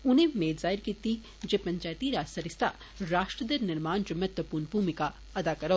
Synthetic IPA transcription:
ʊnɦẽmeːd̪zaːɪɾkiːt̪i | d͡ʒepɐ̃ɲt͡ʃaːjt̪iɾaːsɐɾɪst̪ʰa | ɾaːʃʈɾəd̪ɐɾnɪɾmaːnd͡ʒɐmɐt̪ʋəpuːɾnbʱuːmɪka | ɐd̪akɐɾo

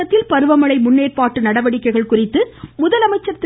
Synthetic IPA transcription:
ɐt̪ːɪlpɐɾɯʋɐmɐɭɐɪmʊnːeːrpaːʈːɯnɐɽɐʋɐɽɪkːɐɪɣɐɭkʊrɪt̪ːɯmʊðɐlɐmɐɪt͡ʃːɐt̪ː

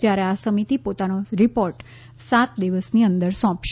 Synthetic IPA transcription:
d͡ʒjaɾeasəmit̪ipot̪anoɾipoɾʈ | sat̪d̪iʋəsniə̃nd̪əɾsɔ̃pʃ

